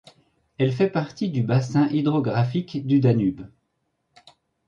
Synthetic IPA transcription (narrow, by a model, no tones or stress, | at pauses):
ɛlfɛpaʁt̪id̪ybasɛ̃ʔid̪ʁɔɡʁafikd̪yd̪anyb